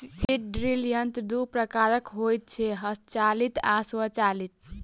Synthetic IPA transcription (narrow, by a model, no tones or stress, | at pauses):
siʈ̚ɖɾiljənt̪d̪upɾəkaɾəkɦojt̪̚t͡ʃʰɛɦəst͡ʃalit̪ʰaswət͡ʃalit̪̚